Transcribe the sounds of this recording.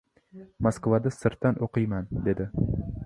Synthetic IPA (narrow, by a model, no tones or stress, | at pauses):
moskvad̪asɪɾt̪ːanʔoqɨjmand̪e̞d̪ɪ